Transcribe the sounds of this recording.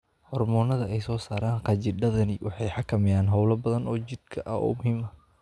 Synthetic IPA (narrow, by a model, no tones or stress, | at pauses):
hɔrmɔːnɐðɐɛjsɔːsaːɾaːnqɑt͡ʃɪɖɐðɐnɪwʔɑ̰ħɑjħɑkʰɐmɪjaːnɦɔwlɐbɐðɐnɔːt͡ʃɪd̪̚kʰɐʔɐhɔ̰ːmʊhiːmɐ